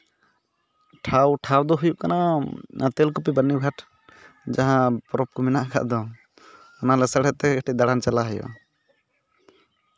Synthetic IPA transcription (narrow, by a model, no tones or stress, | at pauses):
ʈʰawʈʰawd̪oɦujukəna | t̪elkupibənːiɡʱaʈʰ | d͡ʒəɦãpɾop̚kominakʰa̰ʔd̪ɔ | unalesəɽɛt̪ːeekʰʈid̪əɽant͡ʃəlaɦəjo̰